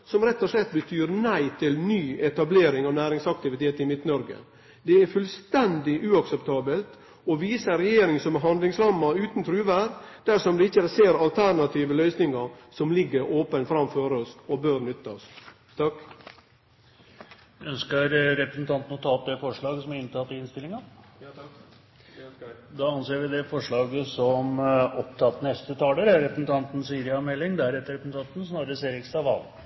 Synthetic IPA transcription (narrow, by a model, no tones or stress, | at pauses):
sɔmɾɛt̪ːɔʂlɛt̪ːbət̪ʰyːɾnæɪt̪ʰɪlnyːɛt̪ɑbleːɾɪŋɑːʋnæːɾɪŋsɑk̚t̪ɪʋɪt̪ʰeːt̪ɪmɪt̪nɔɾɡə̰ | d̪ɛæɾfʉlst̪ɛnd̪ɪʔʉːɑksɛpt̪ʰɑːbəlt̪ | ɔʋiːsəɾɛjeːɾɪŋsɔmɦɑnd̪lɪŋslɑmːɑʉːt̪nt̪ʰɾʉːʋæɾd̪̥æɾʂɔmd̪ɛɪçːəɾseːɾɑlt̪ʰæɾɳɑt̪ʰiːʋəlœʏsnɪŋɑɾsɔmlɪɡːəɾoːpənfɾɑmføːɾɔsɔbøːɾnʏt̪ːɑs | t̪ʰɑk | œnskəɾɾɛpɾəsn̩t̪ʰɑnt̪ənɔt̪ʰɑːp̪̚d̪ɛfɔʂɭɑːɡsɔmæɾɪnt̪ʰɑt̪ːɪɪnst̪ɪlːɪŋɑ | d̪ɑːɑnseːɾʋɪd̪ɛfɔʂɭɑːɡəsɔmɔpt̪ʰɑt̪ːnɛst̪ət̪ʰɑːləɾæɾɾɛpɾəsn̩t̪ʰɑnt̪n̩siːɾɪɑmɛlːɪŋd̪æɾɛt̪ːəɾɛpɾəsn̩t̪ʰɑnt̪n̩snɑːɾəəseːɾɪkst̪ɑʋɑ̰l